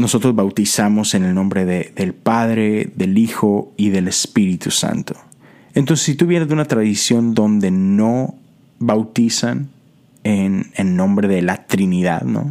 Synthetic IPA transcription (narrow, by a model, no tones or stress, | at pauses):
no̞so̞t̪ɾo̞zβawt̪isamo̞se̞ne̞lnõ̞mbɾe̞ðeðe̞lpaðɾe̞ðe̞lixo̞iðe̞le̞spiɾit̪usa̰nt̪o̥ | ent̪o̞nsesit̪uβje̞nezðeunat̪ɾaðisjo̞nd̪o̞nd̪e̞no̞ | βawt̪isan | enenːõ̞mbɾe̞ðe̞lat̪ɾiniða̰ðno̰